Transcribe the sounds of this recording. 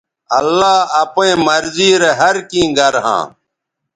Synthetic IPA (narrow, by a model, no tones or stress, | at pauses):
ɐlːaːɐpẽːmɐɾziːɾeɦɐɾkĩːɡɐɾɦã̰ː